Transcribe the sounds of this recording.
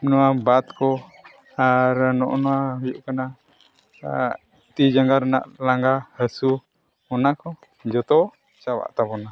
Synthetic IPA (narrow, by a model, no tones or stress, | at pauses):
nuabat̪̚kɔ | aɾnɔ̰ʔnuaɦujuʔkəna | t̪id͡ʒaŋɡaɾna̰ʔlaŋɡahəsu | mɔnakɔ | d͡ʒɔt̪ɔ | t͡ʃawa̰ʔt̪abɔna